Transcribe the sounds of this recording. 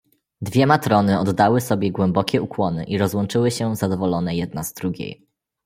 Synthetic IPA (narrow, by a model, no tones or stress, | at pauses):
d̪vʲjɛmat̪ɾɔnɘɔd̪ːawɘsɔbʲjɛɡwɛmbɔkʲɛukwɔnɘ̰ʔiɾɔzwɔnt͡ʂɘwɘɕɛzad̪ɔvɔlɔnɛjɛd̪̚nazd̪ɾuɡʲḛj